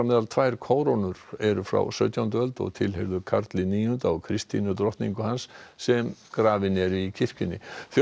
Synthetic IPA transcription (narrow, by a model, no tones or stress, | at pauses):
amɛːðalt̪ʰvajɾ̥kʰoːwɾownʏɾ̥ɛɾʏfɾa̰wsœɥt̪jawnt̪œlt̪ɔ̰ɣt̪ʰɪlɦeɾðʏkʰaɾt̪lɪniːjʏnt̪awkʰɾɪst̪ḭnʏt̪̬ɾɔht̪nḭŋkʏhansːɛmkɾaːvɪnɛɾicʰɪr̥cɪnːɪ̰θ